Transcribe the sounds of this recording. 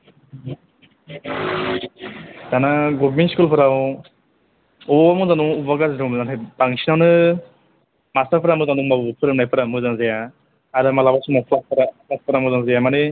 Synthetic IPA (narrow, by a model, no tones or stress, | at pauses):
danaɡɔbminskulpʰɯɾaw | ɔamuzanuubaɡazɾʰɔmɯzantʰajb̥aŋsʰinawnɯ | mastaɾpʰɯɾamɯzanuŋmabpʰɯɾawnajpʰɯɾamɯzaŋzaja | aɾɯmalabasumɔpʰlaspʰɯɾapʰlaspʰɯɾamɯzaŋzajamane